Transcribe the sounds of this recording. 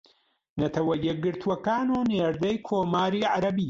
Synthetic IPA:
nɐt̪ʰɐwɐjɛk̚ɡɨɾt̪ʰuwɐkaːnuːneːɾd̪ɐjkʰoːmaːɾiːʕaɾɐbiː

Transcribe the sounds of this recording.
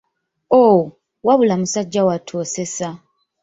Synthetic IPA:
o | waβulamusaɟːawatʰo̞ːse̞sa

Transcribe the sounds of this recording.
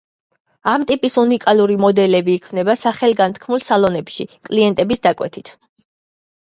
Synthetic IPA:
amt̪ʼipʼisunikʼalˠuɾimɔd̪ɛlɛbiːkʰmnɛbasaχɛlˠɡant̪ʰkʰmulˠsalˠɔnɛpʃikʼliɛnt̪ʼɛbisd̪akʼwɛ̰t̪ʰit̪ʰ

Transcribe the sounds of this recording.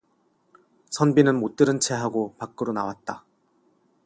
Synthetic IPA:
sʰʌnbinɯnmot͈ɯɾɯnt͡ɕʰe̞ɦaɡopak͈ɯɾonawat̚t͈a

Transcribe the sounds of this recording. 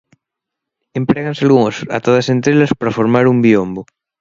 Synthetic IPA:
empɾeɣansalɣuŋosa̰t̪oðasent̪ɾelaspaɾafoɾmaɾumbiombo

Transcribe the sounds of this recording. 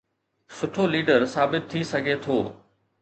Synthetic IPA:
sʊʈʰoliːɖəɾsaːbɪt̪ʰːisɐɡʱet̪ʰoː

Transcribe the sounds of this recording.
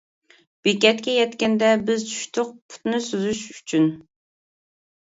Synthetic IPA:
b̥ekʲɛt̪kʲɛjɛt̪kʲɛnd̪ɛbɪzt͡ʃʰy̥ʃt̪ʰʊq̚pʰu̥t̪nɨsyzyʃyt͡ʃʰyn

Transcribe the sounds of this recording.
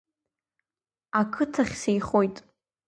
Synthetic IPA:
akʰɨtʰaχʲsejχo̞jtʼ

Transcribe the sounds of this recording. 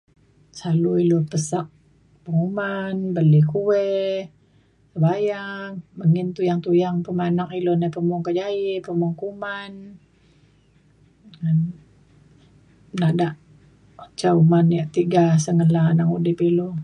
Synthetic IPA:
saluilopəsak̚ | pəŋumanbəlikuwɛ | səbajaŋməŋɪnt̪ujaŋt̪ujaŋpəmanakilonapəmʊŋkəd͡ʒaipəmuŋkuman | ŋan | nadaʔ | t͡ʃaumanijaʔt̪iɡasəŋəlanaŋudɪpilo

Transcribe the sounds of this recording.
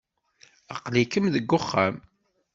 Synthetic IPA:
ə̰qlikəmðəɡːʊχːam

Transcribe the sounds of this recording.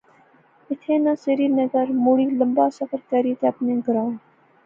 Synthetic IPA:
ɪt̪ʰeːnɐ̃seɾiːnɐɡəɾmuːɽiːləmbaːsɐfəɾkɐɾiːt̪eɐpnẽːɡɾãː

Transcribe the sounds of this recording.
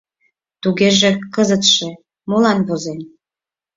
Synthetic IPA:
t̪uɣeʒĕkəzət̪ʃe | molɑnβozen

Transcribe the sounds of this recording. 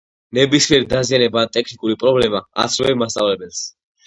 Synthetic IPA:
nɛbismiɛɾid̪azianɛbaːt̪ʼɛkʰnikʼuɾipʼɾɔblɛmaa̰t̪sʰɾɔvɛbmast̪sʼa̰vlɛbɛls

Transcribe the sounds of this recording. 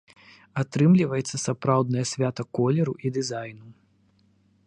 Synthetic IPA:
at̪ɾɨmlʲivɐjɛt̪sːɐsapɾawd̪nɐjɐsʲvʲat̪ɐkɔlʲɛɾuʔid̪ɨzajnu

